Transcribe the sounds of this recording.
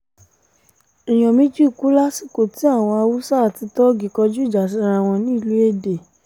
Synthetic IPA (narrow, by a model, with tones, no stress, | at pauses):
i˨j̃ɔ̃˨mĩ˦d͡ʒi˦˨ku˨˦la˦si˦˨ko˨ti˨˦a˦˨w̃ɔ̃˧a˧wu˦sa˦˨ti˧˦tɔ˦ɡi˨kɔ˧d͡ʒu˦i˦˨d͡ʒa˨s̬i˨˦ɾã˦˨w̃ɔ̃˧nĩ˦˨lu˨˦e˦˨de˨